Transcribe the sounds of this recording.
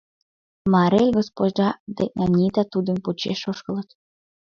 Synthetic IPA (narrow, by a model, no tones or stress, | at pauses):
mɑɾelʲɡospod͡ʑd̪ɑd̪ḛʔnɑnʲit̪ɑt̪ud̪ə̆nput͡ɕḛʃoʃkə̆lə̆t̪